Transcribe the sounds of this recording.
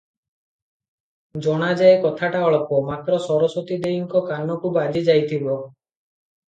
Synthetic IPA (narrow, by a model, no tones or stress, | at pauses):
d͡ʒɔɽ̃ad͡ʒaekɔt̪ʰaʈaɔɭɔpɔmat̪ɾɔsɔɾɔsot̪id̪ejiŋkɔkanɔkubad͡ʒid͡ʒajt̪ʰibɔ